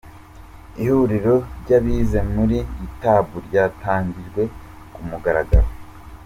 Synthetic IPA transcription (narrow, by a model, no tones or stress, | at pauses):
ihuɾiɾo̞ɾɟaβiːze̞muɾiːtaβuɾɟaːtaːɲɟiʒɡwe̞ | kumuɡaɾaɡa̰ɾo